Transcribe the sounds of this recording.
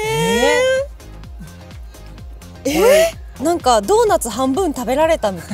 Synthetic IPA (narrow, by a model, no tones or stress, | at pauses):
e | nãŋkad̪o̞ːnat͡sɨɦãmbɯ̟̃nt̪abe̞ɾaɾe̞t̪amʲit̪a